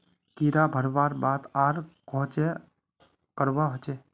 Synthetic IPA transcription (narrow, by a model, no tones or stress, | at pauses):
kiɾabʱəɾbaːɾbaːt̪aːɾkõːt͡ʃe | kəɾbaɦot͡ʃeː